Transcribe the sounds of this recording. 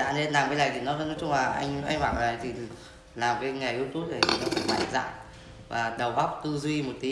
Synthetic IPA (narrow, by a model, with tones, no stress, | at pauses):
a̰ː˧˥ne˧˦nlaː˨˩mkaː˨˦lə˨˩jt̪ʰi˨˩nɔ˨˦˧nɔ˨˦jt͡ɕʊ˧ŋ͡mlaː˨˩ʔa˧jŋ̟ʔa˧jŋ̟maː˧˨ʔa˨ləː˨˩jt̪ʰi˨˩ | laː˨˩mkaː˨˦jŋa˨˩ʔi˧t̪u˦˥p̚t̪ʰe˨˩i˨˩nɔ˨˦fə̰˧˥ma̰ː˧˨˩za̰ː˧˨n | vaː˨˩ɗə˨˩wɓa˦˥wk͡p̚t̪ɨ˧zwi˧mo˨˩t̚t̪i˨˦